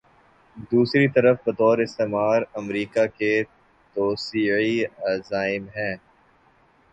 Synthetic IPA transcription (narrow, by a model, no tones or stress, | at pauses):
d̪uːsɾit̪ɐɾəfbɐt̪ɔːɾɪst̪eːmaːɾɐmɾiːkake | t̪oːsiːiazaːɪmɦɛ̃ː